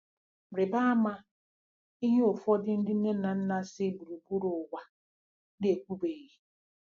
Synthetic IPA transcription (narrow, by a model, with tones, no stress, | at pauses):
m̩˨ɾɪ˨ba˦a˦ma˦ | i˦ɦe˦o˨fɔ˦dɪ˦n̩˦dɪ˦n̩˦ne˦na˨n̩˦na˦sɪ˦bu˨ɾu˨bu˦ɾʊ˨wʷa˨ | n˦e˨kʷu˦be˨ɣe˨